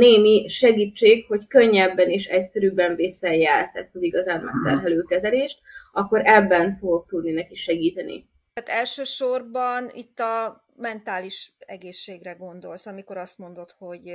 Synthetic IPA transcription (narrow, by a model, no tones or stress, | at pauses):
neːmiʃɛɡiːt͡ʃːeːkho̞ckøɲːɛbːɛniːʃɛcsɛɾyːbɛɱvisːɛjɛɾt̪ɛ̰st̪ɒziɡɒzaːnmɛkt̪ɛrɦɛløːkɛzɛleːʃt̪̚ɒkːo̞ɾɛbːɛnfo̞ɡo̞k̚t̪ud̪ninɛkiʃɛɡiːt̪ɛnḭ | aːt̪ɛlʃøːʃo̞rbɒnḭt̪ːɒ | mɛnt̪aːliʃɛɡeːʃːeːɡrɛɡo̞nd̪o̞lsɒmiko̞ɾɒst̪mo̞nd̪o̞t̪ho̞ɟ